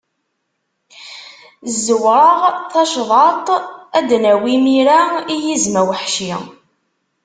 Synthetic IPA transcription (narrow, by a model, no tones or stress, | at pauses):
zːəwɾˤɑʁθɑʃðˤɑt̪ˤæd̪næwimiɾæijizmæwəħʃi